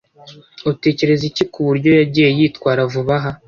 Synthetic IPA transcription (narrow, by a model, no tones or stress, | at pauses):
uute̞ːce̞ɾe̞zicikuβuɾɟo̞jaɟiːje̞jiːtkwaːɾavuβaɦa